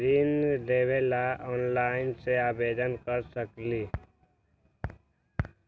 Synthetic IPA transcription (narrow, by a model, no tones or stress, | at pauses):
ɾiːnleːʋelaʔɔːnlaːɪnseaːbeːd̪ənkəɾsəkli